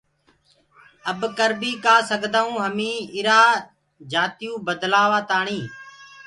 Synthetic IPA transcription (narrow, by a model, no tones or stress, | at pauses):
əbkəɾbiːkaːsəɡd̪aːũːɦəmĩːɪɾaː | d͡ʒaːt̪ɪjũːbəd̪laːʋaːt̪aːɳĩː